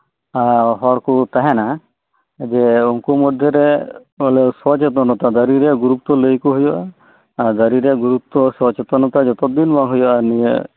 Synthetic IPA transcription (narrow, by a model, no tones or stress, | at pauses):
aɦɔɾkut̪aɦɛna | d͡ʒɛuŋkumɔd̪ʱjɔɾɛ | ɔleswɔt͡ʃet̪̬ɔnɔt̪ad̪aɾiɾeɡuɾup̚t̪ɔləjkuɦujɔʔa | ad̪aɾiɾɛɡuɾup̚t̪ɔswɔt͡ʃet̪ɔnɔt̪ad͡ʒɔt̪ɔd̪inmaɦujɔʔanijḛ